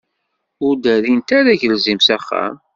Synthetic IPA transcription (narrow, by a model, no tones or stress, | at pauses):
ʊɾd̪æɾint̪æɾæʝəlzimsæχːæ̰m